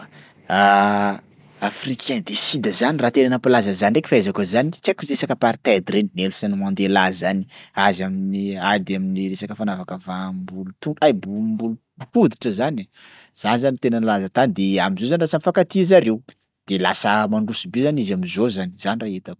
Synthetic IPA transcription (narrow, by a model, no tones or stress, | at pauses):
a | afrikʰɛ̃nd̪esid̪əzanirat̪enanapilazəzanrekʲifaazakazanit͡sakuɾesakəpaɾit̪ad̪iɾeninelusanimand̪elazani̥azaminiad̪aminiresakəfanavakəvambulut̪uajbumbulu | kud̪iʈ͡ʂəzani | z̥anizanit̪enənlazat̪anid̪eamizozanrasəmifakat̪izaɾew | d̪̥ela̰səmaɳɖ͡ʐusibezanizamizozaniz̥aniraet̪a